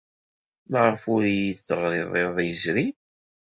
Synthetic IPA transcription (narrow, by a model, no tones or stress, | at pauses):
məʁfʊɾjiθθəʁɾɪðˤeðˤjəzɾi